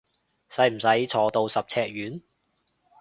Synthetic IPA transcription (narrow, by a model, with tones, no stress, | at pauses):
sɐ˨˥jm̩˨˩sɐ˨˥jt͡sʰɔː˨˩t̪o˨˧wsɐ˨p̚t͡sʰɛː˧k̚ɥyː˨˥n